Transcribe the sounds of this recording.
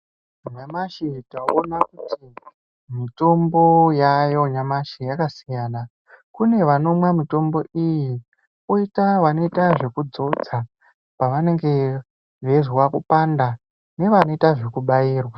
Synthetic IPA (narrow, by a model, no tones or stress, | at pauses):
ɲamaʃitaonakutʰi | mito̞mbo̞jajo̞ɲamaʃijakasijaːna | kune̞ʋano̞mwamito̞mbo̞iji | oitaʋano̞itaʐe̞kud͡zo̞d͡za | paʋane̞ŋɡe̞ | ʋeʐwakupanda | ne̞ʋano̞itaʐe̞kuɓaiːrwa